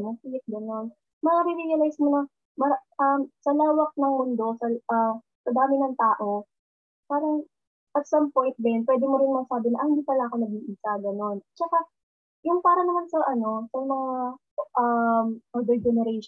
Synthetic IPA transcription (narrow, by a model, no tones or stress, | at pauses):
mɐpilɪk̚ɡɐno̞n | mɐŋaɾiɾijɐlajsmonɐ | mɐɾaʔɐmsɐlaːwɐk̚nɐŋmʊnd̪o̞sɐʔɐ | sɐd̪aːmɪnɐŋt̪aːʔo̞ | saːɾɐŋ | ʔɐt̪sɐmpo̞jnt̪̚bɛnpwɛːd̪ɪmoɾɪnmɐɡsaːbɪnɐʔɐhɪnd̪iːpɐlaʔɐko̞nɐɡiːʔiːsɐɡɐno̞nt͡ʃɐka | jʊŋpaːɾɐnɐmansɐʔɐno̞sɐmɐŋa | ʔɐmʔɐd̪ɛd͡ʒɛnɛɾɛjʃ